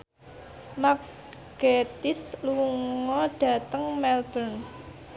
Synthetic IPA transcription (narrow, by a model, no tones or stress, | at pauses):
ma | ɡ̥et̪ɪsluŋɔɖ̥ä̤t̪əŋmɛlb̥ən